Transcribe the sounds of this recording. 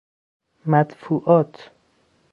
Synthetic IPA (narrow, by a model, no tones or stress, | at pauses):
mæt̪fuʔɒːt̪ʰ